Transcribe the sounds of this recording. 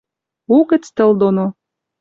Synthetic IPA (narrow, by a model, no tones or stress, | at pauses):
ukɘ̆t͡st̪ə̆ld̪ono